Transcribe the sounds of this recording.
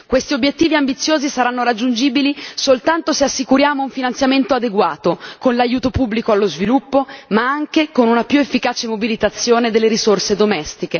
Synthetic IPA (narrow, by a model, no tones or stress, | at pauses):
kwest̪iobːjet̪ːiːviambit̪sːjoːzisaɾanːoɾad͡ʒːund͡ʒiːbilisolt̪ant̪oseasːikuɾjaːmouɱfinant̪sjament̪oad̪eɡwaːt̪okonlajuːt̪opubːlikoalːozvilupːomaaŋkekonunapjuefːikaːt͡ʃemobilit̪at̪sːjoːned̪elːeɾisorsed̪omɛst̪ike